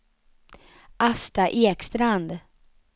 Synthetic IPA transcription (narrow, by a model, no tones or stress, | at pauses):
ʔast̪aʔeːkst̪ɾand̪